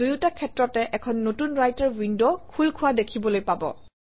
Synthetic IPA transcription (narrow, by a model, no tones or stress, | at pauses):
dujutakʰɛtɹɔtɛʔɛkʰɔnːotunɹajtaɹwindokʰulkʰʊwadekʰibɔlojpabɔ̰